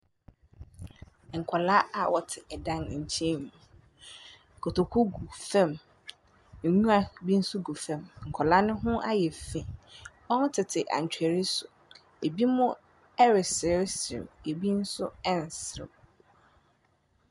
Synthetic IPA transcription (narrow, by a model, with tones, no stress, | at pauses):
ŋ̩˨kʰɔ˨la˦a˨wɔ˨tʰɪ˨ʔɛ˨dã˦n˨ɲ̩˨t͡ɕʰẽ˦mũ˨ | kʰo˨tʰo˨kʰʊ˦ɡu˨fɛ̃˦˨m̩˨ | ɲũ˦a˨bi˦n̩˦sʊ˦ɡu˨fɛ̃˨mŋ̩˨kʰɔ˨la˦nʊ̃˦ɦʊ̃˦ʔa̰˦jɛ˨fẽ˨ | ɔ˦n˦tʰɪ˨tʰɪ˨ʔa̰˨ɲ̩˨t͡ɕᶣæ˨ɾi˦sʊ˨ | e˨bi˦mʊ̃˦ | ɛ˦ɾɪ˨sɪ˨˦sɪ̰˨me˨bi˦n̩˦sʊ̰˦ɛ̃˦n˨sɪ˨ɪ̰˨m